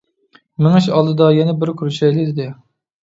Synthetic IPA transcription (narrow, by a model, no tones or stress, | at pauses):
mɪŋɨʃɑlˠd̪ɨd̪ɑjɛnɛbɪɾkʲʰuɾuʃɛjlɪd̪ɪd̪ɪ